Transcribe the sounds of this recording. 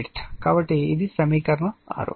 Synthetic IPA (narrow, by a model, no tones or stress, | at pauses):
ʈkaːbɐʈːeid̪isɐmiːkɐɾɐɳɐa̰ːɾo̰ː